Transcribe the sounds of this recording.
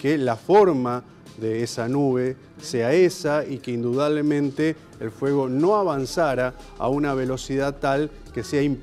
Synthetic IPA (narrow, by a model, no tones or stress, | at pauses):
kelafo̞ɾma | ðeesanuβe̞ | se̞aesaikeind̪uðaβle̞mẽnt̪e̞ː | lfwe̞ɣ̞o̞no̞aβansaɾa | a̰unaβ̞e̞lo̞siðat̪al | ke̞seaim